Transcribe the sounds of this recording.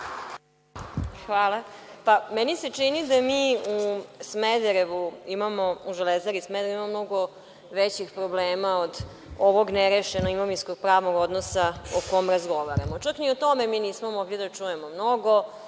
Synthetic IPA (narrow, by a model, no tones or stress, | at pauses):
xʋaːlapameniset͡ʂinid̪amiːusmed̪eɾeʋuimamouʒelezaɾismed̪eɾimamomno̞ɡo̞ | ʋet͡ɕixpɾobleːmaod̪ | oʋo̞ɡneɾeʃenoimomisko̞ɡ̥̚pɾaːʋnoɡo̞d̪nosaoko̞mɾazɡo̞ʋaɾamot͡ʃakniot̪o̞memiːniːsmomoɡʎed̪at͡ʂujemomno̞ɡo̞